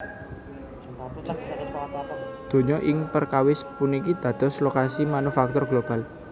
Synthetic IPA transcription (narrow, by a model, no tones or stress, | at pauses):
d̪̥o̤ɲɔʔɪŋpərkawɪspunikid̪̥ä̤d̪̥ɔ̤slokasimanufak̚t̪ʊrɡlob̥a̤l